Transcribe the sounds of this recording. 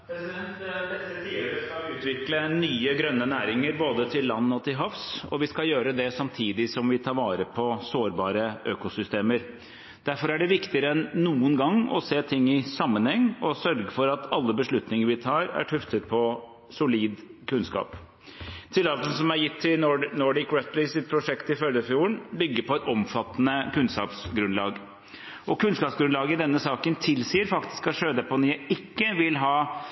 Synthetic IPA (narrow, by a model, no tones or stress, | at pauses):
ʉːt̪ʋɪklənyːəɡɾœnːənæːɾɪŋəɾboːd̪ət̪ʰɪlːɑnːɔt̪ʰɪlɦɑfsɔ̰ʋɪskɑjøːɾəd̪ɛsɑmt̪ʰiːd̪ɪsɔmʋɪt̪ʰɑːɾʋɑːɾəpʰɔsoːɾbɑːɾəʔøːkʊsʏst̪eːməɾ | d̪̥æɾfɔɾæɖɛʋɪkt̪ɪəɾəɛnːuːənɡɑŋːɔ̰seːt̪ʰɪŋːɪsɑmːənhɛŋːɔsœɾɡəfɔɾɑt̪ʰɑlːəbəʂɭʉt̪nɪŋəɾʋɪt̪ʰɑːɾæ̰ʈʰʉft̪ət̪̚pʰɔ | sʊliːd̪kʰʉnskɑ̰ːp | t̪ʰɪlːɑːt̪ən̩sɔmæɾjɪt̪ʰːɪnɔɖɪkɹɛt̪lɪsɪt̪̚pʰɾʊʂɛkt̪ɪfœləfjuːəɳbʏɡːəɾpʰɔɛt̪ɔmfɑt̪ːnəkʉnskɑ̰ːpsɡɾʉnlɑ̰ːɡ | ʔɔkʉnskɑːpsɡɾʉnlɑːɡəd̪ɛnːəsɑːkənt̪ʰɪlsiːəɾfɑkt̪ɪ̥skɑʂøːd̪əpɔnɪjæɪʔɪkːəʋɪlɦɑː